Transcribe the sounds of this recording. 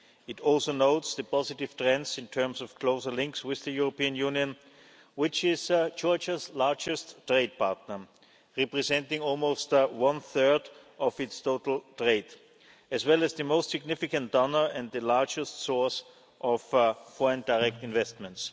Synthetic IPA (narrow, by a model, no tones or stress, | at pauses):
ɪtɔlˠsoʊnoʊtsðɨpɑzɪtɪv̥tɹɛ̃nsɪ̃ntʰɜ̃˞msɔfkʰl̥oʊzə˞lɪ̃ŋkswɪððɨjuɹopiɨ̃njũːnjɨ̃n | wɪt͡ʃɪzd͡ʒɔɹt͡ʃəzlaɹd͡ʒɨsttɹeɪd̚pʰaɹtⁿnə˞ | ɹɛpɹɛzɛ̃ntɪ̃ŋɔlˠmoʊstwʌ̃nθɜ˞dʔɔvɪtstʰoʊtl̩ˠtʰɹeɪd | ɨzwɛləzðɨmoʊstsɪɡnɪfɪkə̃nt̚d̥ɔnə˞ɛ̃nd̪̚ðɨlaɹd͡ʒəstsɔɹs | ʔɔffɔɹə̃ndaɪɛk̚tɪ̃nvɛstmə̃nts